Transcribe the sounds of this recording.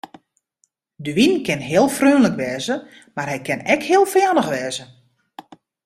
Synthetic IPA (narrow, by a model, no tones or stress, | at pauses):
dəʋinkɪnɦɪːəlˠfrøːnləkʋɛːzə | marɦɛjkɪnɛkhɪəlˠfjanəxʋɛːzə